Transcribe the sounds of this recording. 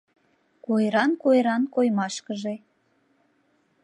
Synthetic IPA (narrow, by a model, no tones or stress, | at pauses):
kojɾɑnkojɾɑnkojmɑʃkəʒe